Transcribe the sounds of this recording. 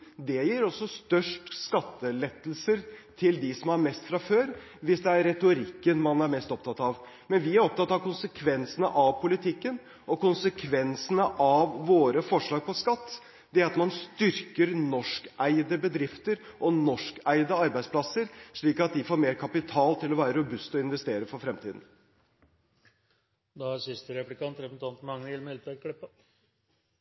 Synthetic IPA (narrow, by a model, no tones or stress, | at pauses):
d̪ɛjiːɾɔsːɔst̪œʂʈskɑt̪ːəlɛt̪ːəl̩səɾt̪ʰɪld̪ɪsɔmhɑɾmɛst̪fɾɑføːɾ | ʋɪsd̪ɛæɾɾɛt̪ʊɾɪkːənmɑnæɾmɛst̪ɔp̚t̪ʰɑt̪ːɑʋ | mɛnʋɪæɾɔp̚t̪ʰɑt̪ːɑʋkʊnsəkʰʋɛnsənə̰ʔɑʋpʰʊlɪt̪ʰɪkːən | ʔɔkʊnsəkʰʋɛnsənəʔɑʋːoːɾəfɔʂɭɑːɡ̚pʰɔskɑt̪ː | d̪̥ɛæɾɑt̪mɑnst̪ʏɾkəɾnɔʂkæɪd̪əbəd̪ɾɪft̪əɾʔɔnɔʂkæɪd̪əɑɾbæɪspʰlɑsːəɾʂɭiːkɑt̪̚d̪ɪfoːɾmeːɾkʰɑpɪt̪ʰɑːlt̪ʰɪlɔʋæːɾəɾʊbʉst̪ɔɪnʋɛst̪eːɾəfɔɾfɾɛmt̪ʰiːd̪n̩ | d̪ɑæsɪst̪əɾɛplɪkɑnt̪ɾɛnt̪ʰɑnt̪mɑŋnəɪlmɪlt̪əkʰlɪpːə